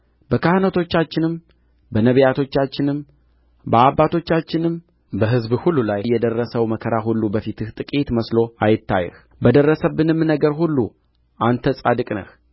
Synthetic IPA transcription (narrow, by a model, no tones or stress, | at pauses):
b̥əkʰahnət̪ʰo̞t͡ʃːat͡ʃːɪnɨm | bənəβjat̪ʰo̞t͡ʃːat͡ʃːɪnɨm | bəabːat̪ʰo̞t͡ʃːat͡ʃːɪnɨm | bəɦɨzbhulːulajjːɛd̪ərːəsəwməkʰəɾaɦulːubəfit̪ʰɨht̪ʼɨkʼit̪məslo̞ajɪt̪ʰːa̰jɛ̰h | bəd̪ərːəsəbːɨnɨmːɨnːəɡəɾɦulːu | ʔant̪ʰəsʼa̰d̪ɨkʼnə̰h